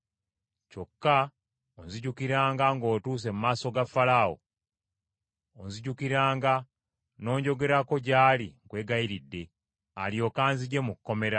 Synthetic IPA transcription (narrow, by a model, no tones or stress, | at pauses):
co̞kːa | onziɟukiɾaːŋɡaŋɡo̞ːtuːs̬e̞mumaːso̞ɡafalawo̰ | onziɟukiɾaːŋɡa | no̞ːɲɟo̞ɡe̞ɾako̞ɟaːliŋkwe̞ːɡaiɾidːe̞ | aljo̞ːkaːnziɟe̞mukːo̞me̞ɾa